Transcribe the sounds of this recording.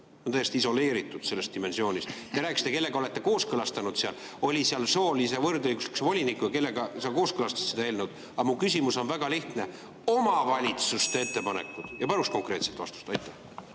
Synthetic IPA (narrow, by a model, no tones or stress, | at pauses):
ont̪æjest̪iso̞le̞ːɾit̪ːˑud̪̥se̞lːest̪ime̞nsio̞ːnʲist̪t̪eɾæːkisi̥t̪e̞ke̞lːe̞ɡ̥ɑo̞let̪ːe̞ko̞ːskɤlɑst̪ɑnud̪̥seɑl | o̞lʲiseɑlso̞ːlise̞vɤrd̪ɤjɡusliksvo̞lʲinikːˑujɑke̞lːeɡɑsɑkoːskɤlɑst̪ɑ̥st̪sed̪ɑe̞ːlnewd̪̥ | ɑmukysʲimuso̞nvæɡ̥ɑliht̪ne̞ | o̞mɑvɑlʲit̪sust̪ee̞t̪ːe̞pɑne̞̰kːˑud̪̥jɑpɑɾust̪ko̞ŋkre̞ːt̪selt̪vɑ̰st̪u̥st̪ɑjt̪ːˑæh